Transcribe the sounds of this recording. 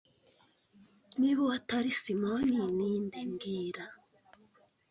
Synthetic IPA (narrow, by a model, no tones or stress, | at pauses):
niβowataɾisimoniniːndiŋɡiːɾa